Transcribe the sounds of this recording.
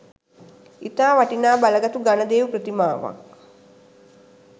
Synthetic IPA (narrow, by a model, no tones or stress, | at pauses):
it̪aːʋaʈinaːbaləɡat̪uɡanəd̪eːʋəpɾət̪imaːʋa̰k̚